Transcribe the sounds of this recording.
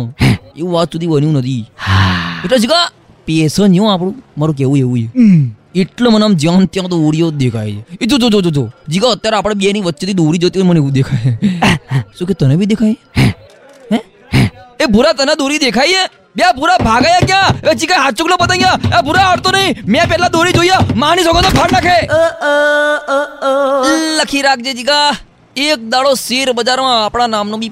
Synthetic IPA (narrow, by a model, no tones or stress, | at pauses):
eũʋat̪sud̪ʱibənjũnət̪ʰiː | ɪʈləd͡ʒiɡa | pesənjõap̬ɽ̃ũmaɾũk̬eʋũeʋũjeɪʈləmənamd͡ʒjãnt̪jãt̪ooɽijod̪ekʰajd͡ʒeit̪utod͡ʒot̪ut̪od͡ʒiɡaət̪ːjaɾeapɽ̃eɓeniʋətːʃʰet̪id̪oɾid͡ʒət̪ionməneʋũd̪ekʰaje | sũket̪ənebʱid̪ekʰaje | ɦɛ | ebʱuɾat̪ənad̪uɾid̪ekʰaie | ɓijapuɾabʱaɡaːjak̬jãʋɛt͡ʃikaɦat͡ʃʊklobət̪aɡjaabʱʊɾaaɽt̪onəɦĩmɛ̃pɛɦlad̪oɾid͡ʒoijamãnisoɡãt̪opʰaɽnaːkʰe | ləkʰiɾak̚ʰd͡ʒed͡ʒiɡa | eːk̚d̪aɭosiɾbəd͡ʒaɾmãːpɽɳ̃anamnõbʱi